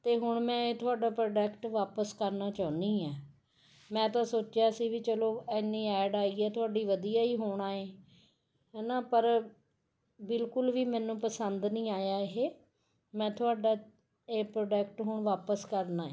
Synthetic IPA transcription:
t̪eːɦʊɳmɛ̃ːet̪ʊaːɖaːpɾoːɖɛkʈʋaːpəskəɾnaːt͡ʃãːʊnd̪iːɛː | mɛ̃ːt̪ãːsoːt͡ʃjaːsiːʋiːt͡ʃəloːɛːnːiːɛːɖaːiːɛːt̪ʊaːɖiːʋəd̪ijaːiːɦoːɳaːeː | ɦɛːnaːpəɾ | bɪlkʊlʋiːmɛ̃ːnũːpəsənd̪nĩːaːjaːɦeː | mɛ̃ːt̪ʰʊaːɖaː | eːpɾoːɖɛkʈɦʊɳʋaːpəskəɾnaːeː

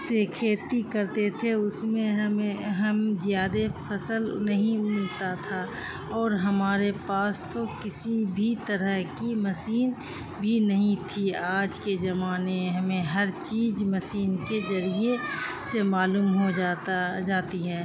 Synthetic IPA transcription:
sekʰeːt̪ikɐɾt̪et̪ʰeʊsmẽɦeɦɐmzjaːd̪epʰɐsəlnɐɦĩmɪlt̪at̪ʰa | ɔːɾɦɐmaːɾepaːst̪okɪsibʱit̪əɾəɦkimɐsiːn | bʱinɐɦĩt̪ʰiaːd͡ʒkezɐmaːneɦɐmẽɦɐɾt͡ʃiːd͡ʒmɐsiːnkezɐɾie | semaːluːmɦod͡ʒad͡ʒaːt̪iɦɛː

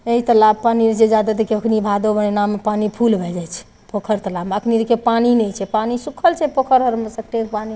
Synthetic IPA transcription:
eɦit̪əlab̚panid͡ʒed͡ʒad̪at̪ekeəkʰnibʱad̪obənenamːepanipʰulbʱɛd͡ʒajt͡ʃʰɛ̥ | pokʰəɾt̪əlabməkʰniekepaninɛjt͡ʃʰɛpanisukʰəlt͡ʃʰɛpokʰəɾɦəɾmesək̚ʈeɾpani

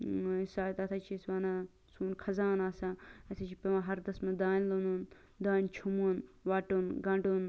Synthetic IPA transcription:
saːt̪ɐt̪ʰɐt͡ʃʰisʋaːna | suːnkʰɐzaːnaːsaɐt̪ʰɐt͡ʃʰipewɐ̃ɦɐɾd̪ɐsmɐd̪aːnʲlonuːn | d̪aːnʲt͡ʃʰumunʋaːʈoːnɡɐ̃ɳɖoːn

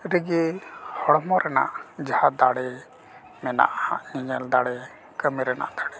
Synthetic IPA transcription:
ɾiɡɛhɔɽɔmɔɾɛna̰ʔd͡ʒahad̪aɽɛ | mɛna̰ʔha̰ʔɲiɲɛld̪aɽɛ | kəmiɾɛna̰ʔd̪aɽɛ

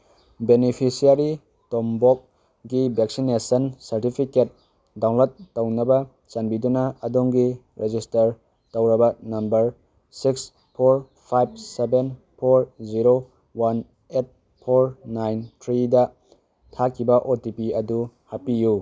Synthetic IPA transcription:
benipʰisiaɾi | tombok̚ | ɡibeksinesɐnsɐɾtipʰiket̚ | daw̃lotːownɐbɐ | t͡ʃanbidunɐːdoŋɡiɾed͡ʒistɐɾ | towɾɐbɐnɐmbɐɾ | siks | pʰoɾ | pʰajb̚seben | pʰoɾziɾo | wan | et̚ | pʰoɾnajntʰɾidɐ | tʰakʰːibɐʔotipiɐdu | hapiju

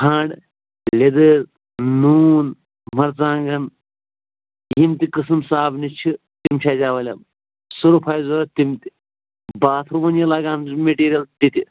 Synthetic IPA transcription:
hʰãːɳɖ | lʲed̪ɨɾ | nuːn | mɐɾt͡sãːŋɡɐn | jimt̪ikɨsɨmsaːbnit͡ʃʰi | t̪imt͡ʃʰaːd͡ʒaːʋɐlʲɐ | suɾupʰaːjzoɾɐt̪imt̪i̥ | baːt̪ʰɾuʋɐnjɐlaːɡaːnmeʈiːɾijɐlt̪it̪i

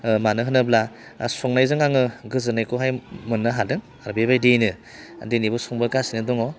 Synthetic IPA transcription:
manɯɦɯnɯbla | sɔŋnajzɯŋaŋɯɡɯzɯnajkʰɔɦajmɯnːɯɦadɯŋ | aɾbebajdenɯ | denibɔsɔŋbɯɾkasinɯdɔŋɔ

